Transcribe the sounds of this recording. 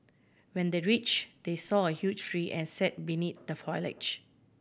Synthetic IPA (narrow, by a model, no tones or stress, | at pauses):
wɛ̃ndeɹit͡ʃd̥esɔəhjud͡ʒɹiʔɛ̃nsɛt̚binit̪̚dəfɔɪlɪ̰t͡ʃ